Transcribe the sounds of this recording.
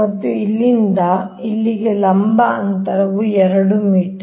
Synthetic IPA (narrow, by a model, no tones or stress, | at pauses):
ɐt̪ːuilːind̪ɐ | ilːiɡelɐmbɐɐnt̪ɐɾɐʋuɛɾɐɽumiːʈ